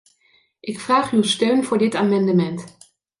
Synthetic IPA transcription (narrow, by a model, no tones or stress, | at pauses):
ʔɪkfraːχywˠstøɥnv̥ʊːɹdɪtaːmɑndəmɛnt